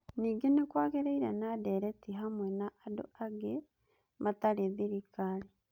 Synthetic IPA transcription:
niɡinikwaːɡeɾeiɾḛnadeɾetiɦamwenaʔːdo̰aɡe | mataliðiɾikali

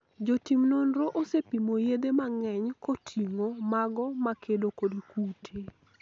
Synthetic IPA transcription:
d͡ʒotimnonɾoʔosepimojed̪emaŋɛɲkotʰiŋomaɡɔmakʰedokodikutʰe

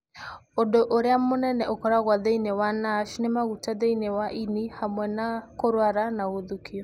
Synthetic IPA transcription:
ondoʔoɾeamonɛnɛʔokɔɾaɣwaðeinewanaʃnemaɣutaðeinewaʔinihamwɛnakoɾwaɾanaɣoðukʰiɔ

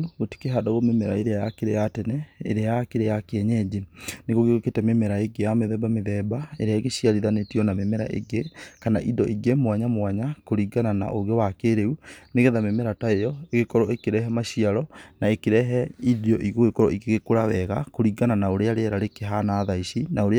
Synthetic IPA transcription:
ɣoti̥keɦadoɣomemɛɾaeɾeajakeɾejatɛnɛḛɾeajakeɾejakeɛɲɛd͡ʑeneɣoɣeoketɛmemɛɾaeɡejameðɛbameðɛbaḛɾeaeɣeʃiaɾiðanetiɔnamemɛɾa̰ʔḛɡekanaʔidɔʔiɡemwaɲamwaɲakoɾiɡanana̰ʔoɣewakeɾeuneɣeðamemɛɾataejɔeɣekɔɾɔekeɾɛɦɛmaʃiaɾɔnaekeɾɛɦɛidɔʔiɣoɣekɔɾɔiɡeɣekoɾaβɛɣa̰koɾiɡananaoɾeaɾeɛɾaɾekeɦanaðaiɕinaoɾ

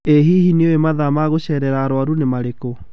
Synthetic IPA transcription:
eɦiɦineoemaðamaɣoɕɛːɾɛɾaːɾwaɾunemaɾeko

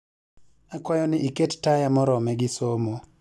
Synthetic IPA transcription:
akwajɔnɪʔikettajamɔɾɔmɛɡɪsomo

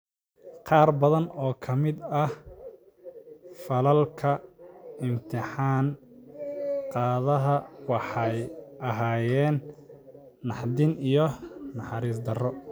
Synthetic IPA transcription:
qɑːrbɐðɐnɔːkʰɐmɪd̪ɐh | fɐlɐlkʰɐɪmt̪ʰɪħɑːn | qɑːðɐɦɐwɑħɑjɐɦaːjɛːnː | ɑħd̪ɪnijɔnɑħɑɾiːs̬d̪ɐrɔ

